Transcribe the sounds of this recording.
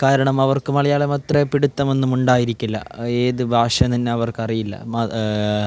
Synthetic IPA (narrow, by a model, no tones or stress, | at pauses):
kaːɾɐɳɐmɐʋɐrkɨmɐɭɐjaːɭemɐt̪repiɽut̪ːɐme̞nːumuɳɖaːjiɾikʲːulːɐ̰eːðɨbʱaːʂɐt̪ɐnːe̞ɐʋɐrkɐrijilːɐ̰mɐ